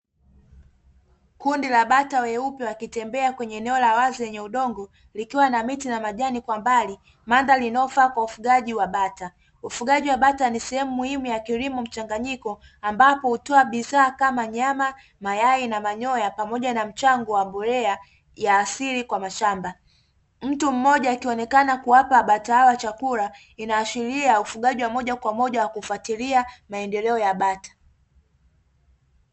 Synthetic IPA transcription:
kundilaɓatawɛupjɔwakitɛmbɛakwɛɲɛːnɛɔlawazijɛɲɛuɗɔŋɡɔ | likiwanamitinamaʄanikwambali | mandalinɔfaːkwaufuɠaʄiwaɓata | ufuɠaʄiwaɓatanisɛhɛmumuhimujakiɾimum̩t͡ʃaŋɡaɲikɔ | ambapɔhutɔaɓiðaːkamaɲama | majainamaɲɔjapamɔʄanam̩t͡ʃaŋɡɔwambɔɾɛa | jaːsiɾikwamaʃamba | m̩tum̩mɔʄaikiɔnɛkanakuwapaɓataawat͡ʃakuɾa | inaːʃiɾiaufuɠaʄiwamɔʄakwamɔʄawakufwatiliamaɛndɛlɛɔjaɓatḁ

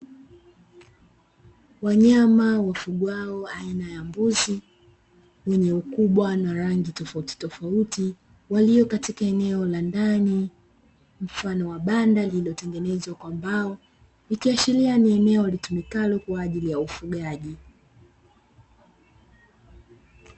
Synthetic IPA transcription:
waɲamawafuɠwaɔainajambuzi | wɛɲɛukuɓwanaɾaŋɡitɔfauti̥tɔfauti | waliɔkatikaɛnɛɔlandani | m̩fanɔwaɓandalilɔtɛŋɡɛnɛzwakwambaɔ | nikiaʃilianiɛnɛɔlitumikalɔkwaːʄilijaufuɠaʄi

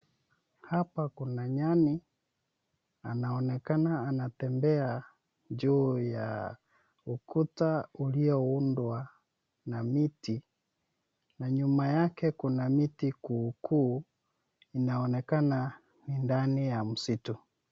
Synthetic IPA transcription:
hapakunaɲani | anaɔnɛkanaːnatɛmbɛa | d͡ʒuːja̰ | ukʰutauliɔundwa | namiti | naɲumajakɛkunamitikuːkʰuː | inaɔnɛkana | nindanijam̩situ

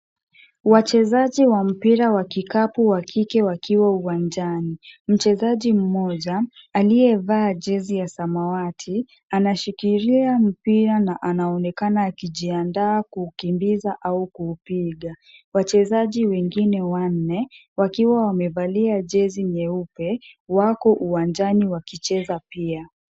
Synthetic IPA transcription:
wat͡ʃɛzaʄiwam̩piɾawakikapuwakʰikɛwakiwauwand͡ʒanim̩t͡ʃɛzaʄim̩mɔʄaalijɛvaːʄɛzijasamawatʰi | anaʃikiɾiam̩piɾanaʔanaɔnɛkanaːkiʄiandaːkuːkimbizaʔaukuːpiɠa | wat͡ʃɛzaʄiwɛŋɡinɛwan̩nɛwakiwawamɛvaliaʄɛziɲɛupɛwakɔʔuwand͡ʒaniwakit͡ʃɛzapia

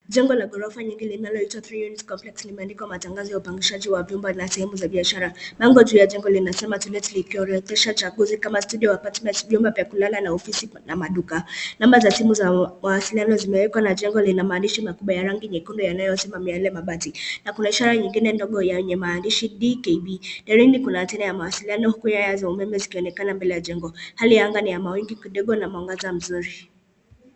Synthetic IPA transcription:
ʄɛŋɡɔlaɡɔɾɔfaɲiŋɡilinalɔitwaθɾijunitkɔmplɛkslimɛandikwamataŋɡazɔjaupaŋɡiʃaʄiwavjumbanasɛhɛmuzaɓiaʃaɾamaŋɡɔʄuːjaʄɛŋɡɔlinasɛmatulɛtlikiɔɾɛθɛʃat͡ʃaɡuzikamastuɗiɔwapatmɛntvjumbapiakulalanaɔfisinamaɗukanamazasɛhɛmuzamawasilianɔzimɛwɛkwanad͡ʒɛŋɡɔlinamaːndiʃimakuɓwajaɾaŋɡiɲɛkundɔjanajɔsimamialɛmaɓatinakunaiʃaɾaɲiŋɡinɛndɔɠɔjawɛɲɛmaːndiʃiɗikɛiɓinɛɾinikunatɛnajamawasilianɔhukujajazaumɛmɛzikiɔnɛkanambɛlɛjaʄɛŋɡɔhalijaŋɡanijamawiŋɡikiɗɔɠɔnamauŋɡazam̩zuɾi

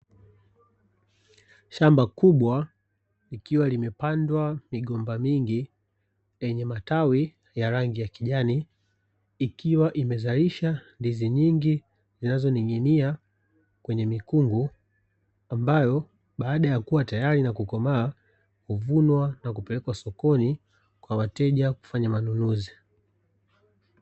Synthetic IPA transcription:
ʃambakuɓwa | likiwalimɛpandwamiɠɔmbamiŋɡi | lɛɲɛmatawi | jaɾaŋɡijakiʄaniː | kiwaʔimɛzaliʃandiziɲiŋɡi | zinazɔniŋinia | kwɛɲɛmikuŋɡu | ambajɔ | ɓaːɗajakuwatajaɾinakukɔmaː | kuvunwanakupɛlɛkwasɔkɔni | kwawatɛʄaku̥faɲamanunuzi

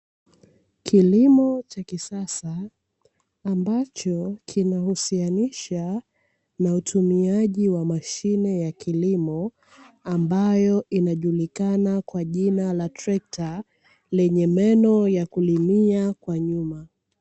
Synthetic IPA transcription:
kʰilimɔt͡ʃakisasa | mbat͡ʃɔkʰinahusianiʃa | nautʰumiaʄiwamaʃinɛjakʰilimɔ | ambajɔʔinaʄulikanakwaʄinalatɾɛk̚tʰa | lɛɲɛmɛnɔjakulimiakwaɲuma

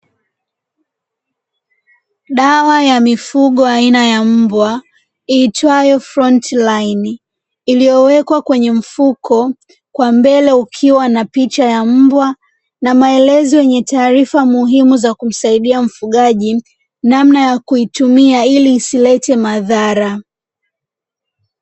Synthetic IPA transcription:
ɗawajamifuɠɔainajam̩bwa | iːtwajɔfɾɔntlain | ilijɔwɛkwakwɛɲɛm̩fukʰɔ | kwambɛlɛukʰiwanapit͡ʃajam̩bwa | namaɛlɛzɔjɛɲɛtaːɾifamuɦimuzakum̩saiɗiam̩fuɠaʄi | namnajakuitumiailiːsilɛtɛmaðaɾa

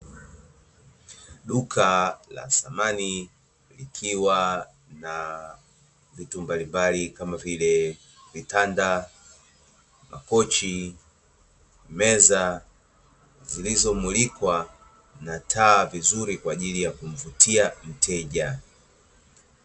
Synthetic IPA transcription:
ɗukʰala̰samani | likʰiwa | na | vitumbalimbalikamavilɛ | vitanda | ma̰kɔt͡ʃi | mɛza | zilizɔmulikwa | natʰaːvizuɾikwaːʄilijakum̩vutiam̩tʰɛʄa

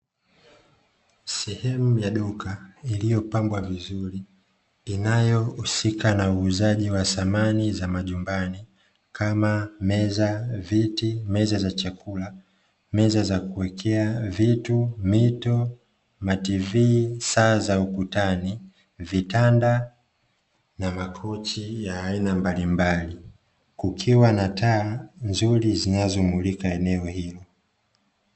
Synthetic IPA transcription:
sɛhɛmujaɗɔkailijɔpambwavizuɾiː | najɔusikanauːzaʄiwasamanizamaʄumbani | kʰamamɛzavitimɛzazat͡ʃakula | mɛzazakuwɛkʰɛavitumitɔ | mativisaːzaukutani | vitanda | namakʰɔt͡ʃijaːinambalimbali | kukʰiwanataːnzuɾizinazɔmulikaɛnɛɔhilɔ

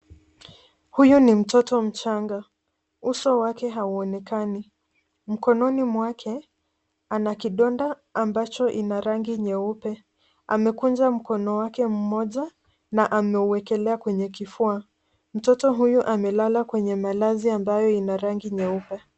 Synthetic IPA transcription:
hujunim̩tɔtɔm̩t͡ʃaŋɡa | usɔwakɛɦauɔnɛkani | m̩kɔnɔnimwakʰɛ | anakiɗɔndaːmbat͡ʃɔʔinaɾaŋɡiɲɛupɛ | amɛkund͡ʒam̩kɔnɔwakɛm̩mɔʄa | naʔamɛuwɛkɛlɛakwɛɲɛkifua | m̩tɔtɔɦujuʔamɛlalakwɛɲɛmalaziambajɔinaɾaŋɡiɲɛupɛ

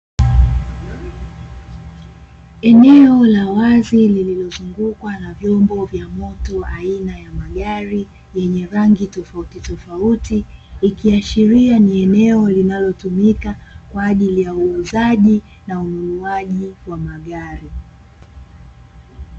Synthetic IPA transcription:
ɛnɛɔlawazilililɔzuŋɡukwanavjɔmbɔvjamɔtɔainajamaɠaɾi | jɛɲɛɾaŋɡitɔfautitɔfautiːkiaʃiɾianiɛnɛɔlinalɔtumikakwaːʄilijauɛzaʄi | naunuluaʄiwamaɠaɾi

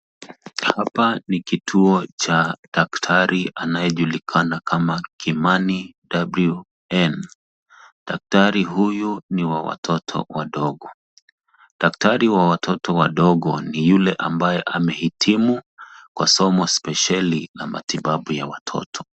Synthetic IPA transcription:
hapanikitʰuɔt͡ʃaɗaktʰaɾiʔanajɛʄulikʰanakʰamakʰimanidablu | ɛn | ɗak̚taɾiɦujuniwawa̰tʰɔtʰɔ̰waɗɔɠɔ | ɗak̚taɾiwawatʰɔtɔwaɗɔɠɔnijulɛʔambajɛʔamɛhitʰimukwasɔmɔspɛʃalinama̰tiɓaɓujawatʰɔ̰tʰɔ̥

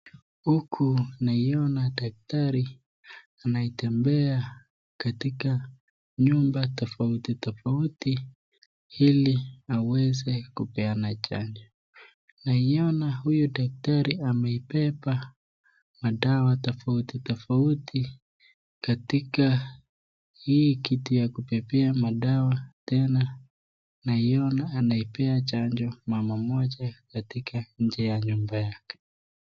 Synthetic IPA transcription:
hukʰunaiɔnadak̚taɾi | anaitɛmbɛa | katika | ɲumbatɔfautitɔfauti | hiliawɛzɛkupɛanat͡ʃa̰ɲd͡ʒɔ | naiɔnahujudak̚taɾiamɛipɛpa | maɗawatɔfautitɔfauti | katika | hiːkitujakupɛpɛamaɗawatɛna | naiɔnaːnaipɛat͡ʃaɲd͡ʒɔmamamɔʄakatikʰaɲ̩d͡ʒɛjaɲumbajakɛ̥

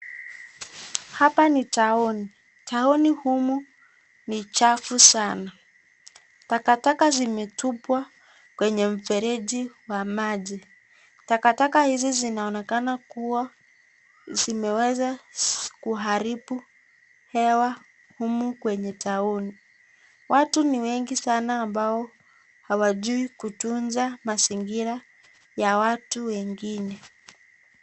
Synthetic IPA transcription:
hapanitauni | taunihumu | nit͡ʃafusana | takatakazimɛtupwa | kwɛɲɛm̩fɛɾɛʄiwamaʄi | takatakahizizinaɔnɛkanakuwa | zimɛwɛzakuɦaɾipu | hɛwa | humukwɛɲɛtauni | watuniwɛŋɡisanaːmbaɔ | hawaʄuikutunzamaziŋɡiɾa | jawatuwɛŋɡinɛ

